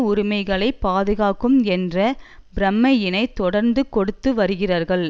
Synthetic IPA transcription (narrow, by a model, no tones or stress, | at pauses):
ʊɾɪmɐɪɣɐɭɐɪpːaːðɯɣaːkɯmɛndrɐbɾɐmːɐjɪnɐɪt̪ːɔɽɐɾnd̪ɯkɔɽɯt̪ːɯʋɐɾɯɣɪraːɾɣɐɭ